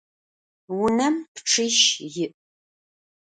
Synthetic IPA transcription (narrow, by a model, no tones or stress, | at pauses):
wʊnɐmpʈ͡ʂʰɨʃjɪʔʼ